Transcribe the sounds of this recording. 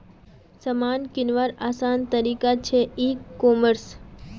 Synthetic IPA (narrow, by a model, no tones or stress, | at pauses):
səmankɪnʋaɾasant̪əɾikat͡ʃʰeikːɔməɾs